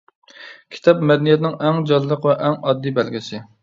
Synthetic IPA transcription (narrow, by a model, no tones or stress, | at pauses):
kʲʰi̥t̪ʰɑpmɛd̪ɛnjɛt̪nɪŋɛŋd͡ʒɑnlˠəqvɛʔɛŋɑd̪ːijbɛlɡʲɪsɪ